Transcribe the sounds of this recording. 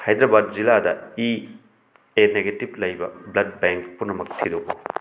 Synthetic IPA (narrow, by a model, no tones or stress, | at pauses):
hajd̪ɾɐbad̚ziladɐi | eneɡetib̚lɐjbɐ̰blɐd̚beŋkpunɐmɐk̚tʰidoko